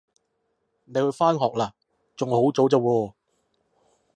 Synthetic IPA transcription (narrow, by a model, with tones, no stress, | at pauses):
ne˨˧jhɵ˧ɥfaː˥nɦɔː˨k̚laː˨ | t͡sʊ˨ŋho˨˥wt͡so˨˥wt͡sɐ˨˧wɔː˧